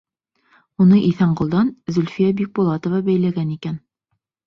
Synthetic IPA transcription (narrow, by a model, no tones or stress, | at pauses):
unɤʔiθæɴɢŏlˠd̪ɑnzɵ̆lʲfijæbik̚bulˠɑt̪ŏvɑbæjlæɡænikæn